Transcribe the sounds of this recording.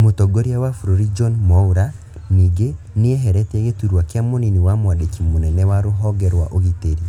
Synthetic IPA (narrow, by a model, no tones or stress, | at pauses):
motɔɡoɾiawafuɾoɾid͡ʒɔnmɔuɾa | niɡe | niɛɦɛɾɛtɛɣetuɾwakeamoniniwamwadekimonɛnɛwaɾoɦɔɡɛɾwa̰ʔoɣiteɾi